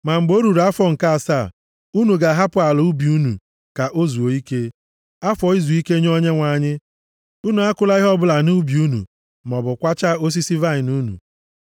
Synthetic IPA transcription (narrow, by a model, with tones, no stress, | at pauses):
ma˨ŋ͡m̩˨ɡ͡bo˦ɾu˨ɾa˦fɔ˦ŋ̩˨ka˦a˨sa˦˨ | u˦nu˨ɡa˨ɦa˦pʊ˨a˨lʊ˨˦u˦bi˨u˦nṵ˨ | ka˨ʔo˦zu˨o˨i˦ke˦ | a˦fɔ˨i˦zu˨i˦ke˦ɲ˦o˦ɲe˦ŋʷa˨ɲɪ˦ | u˦nu˨a˦kʊ˦la˦i˦ɦɔ˦bʊ˦la˨nu˦bi˨u˦nṵ˨ | m˨ɔ˨bʊ˨kʷa˦t͡ʃa˦o˦s̬i˦si˦va˦ɪ˨nu˦nṵ˨